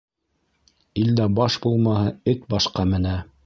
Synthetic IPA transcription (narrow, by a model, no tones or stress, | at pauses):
ild̪æbɑʃbulˠmɑhɤɘt̪bɑʃqɑmɘ̆næ